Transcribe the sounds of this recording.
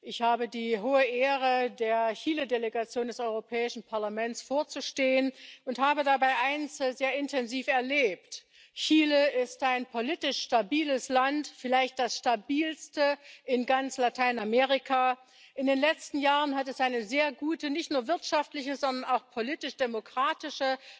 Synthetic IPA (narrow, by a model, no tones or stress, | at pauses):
ʔɪçhaːbədiːɦoːəʔeːʁədeːɐçiːlədeleɡat͡sjoːndɛsʔɔʏʁopʰɛːɪʃn̩pʰaɐlamɛnt͡sfoːɐt͡suʃteːənʊnthaːbədabaɪʔaɪnszeːɐɪntʰɛnziːfɛɐleːp̚t | çiːləɪstʔaɪnpʰoliːtɪʃʃtabiːləslantfɪlaɪçt̚d̥asʃtabiːlstəʔɪnɡant͡slatʰaɪnamɛːʁ̞ɪkʰa | ʔɪndeːnlɛt͡stn̩jaːʁənɦatɛsʔaɪnəzeːɐɡuːtənɪçtnuːɐvɪɐtʃaftlɪçəzɔndɐnaʊxpʰoliːtɪʃd̥emokʁ̥aːtɪʃə